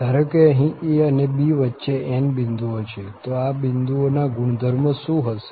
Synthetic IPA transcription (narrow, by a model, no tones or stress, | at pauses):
d̪ʱaɾəkeəɦĩeənebiʋətːʃeenbind̪uot͡ʃʰet̪oabɪnd̪uonaɡuɳd̪ʱəɾməsũɦəse̥